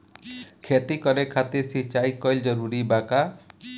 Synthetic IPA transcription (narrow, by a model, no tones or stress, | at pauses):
kʰet̪ikɔɾekʰat̪iɾsit͡ʃajkɔjld͡ʒɔɾuɾibaka